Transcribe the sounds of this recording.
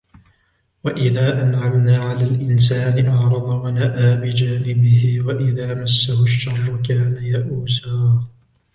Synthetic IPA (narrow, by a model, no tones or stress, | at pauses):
waʔɪðaːʔanʕamnaːʕalaːlʔɪns̬aːnɪʔɑʕɾˤɑd̪ˤɑwanaʔaːbɪd͡ʒaːnɪbɪhɪwaʔɪðaːmasːahʊʃːɑrˤːʊkaːnajaʔuːzaː